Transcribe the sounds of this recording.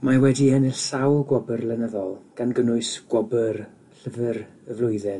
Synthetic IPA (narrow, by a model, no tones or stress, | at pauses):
mawɛdiɛnɪɬsawlˠɡwɔbərlɛnəðɔlˠɡ̥anɡənʊɨsɡ̥wɔbər | ɬəvər | əvlˠʊɨðɛ